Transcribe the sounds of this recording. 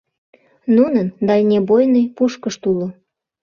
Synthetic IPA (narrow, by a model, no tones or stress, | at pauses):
nunənd̪ɑlʲnʲebojnəjpuʃkəʃt̪ulo